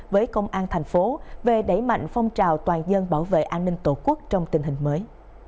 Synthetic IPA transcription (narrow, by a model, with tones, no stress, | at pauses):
vəː˨˦jkə˧wŋ͡mʔaː˧nt̪ʰa˨˩jŋ̟fo˨˦ve˨˩ɗə˧˩jma̰˧˨jŋ̟fɔ˧wŋ͡mt͡ɕaː˨˩wt̪waː˨˩nzə˧nɓaː˧˩wvḛ˧˨ʔaː˧nːï˧ŋ̟t̪o˧˩ku˦˥ək̚t͡ɕɔ˧wŋ͡mt̪ï˨˩ŋ̟hï˨˩ŋ̟məː˨˦j